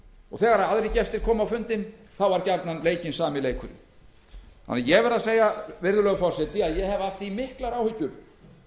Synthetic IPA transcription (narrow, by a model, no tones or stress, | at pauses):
ɔ̰ɣθɛːɣaɾaaðɾejcɛst̪ɪ̥kʰɔːmawfʏnt̪ɪn | θawvaɾcaɾt̪nanleːjcɪnsaːmɪleːjkʰʏɾɪ̰ | ha̰nːajɛɣvɛɾðaseːjavɪɾðʏlœɣfɔr̥sɛt̪ɪaðjɛɦɛvaft̪imɪhklaɾaːwhʏcːʏɾ̥